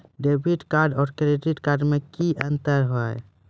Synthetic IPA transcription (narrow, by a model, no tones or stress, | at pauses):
ɖebʱiʈkaɾɖɔːɾkɾeɖiʈkaɾɖmekiʔənt̪əɾɦo